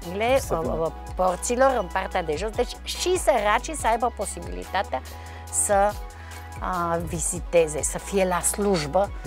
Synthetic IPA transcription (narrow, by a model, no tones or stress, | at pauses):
ilɛ | port̪siloɾəmpaɾt̪ad̪ɛʒosd̪ət͡ʃʃisəɾat͡ʃisajbaposibḭlḭt̪at̪a | sə | visit̪ɛzɛsəfiɛlasluʒbə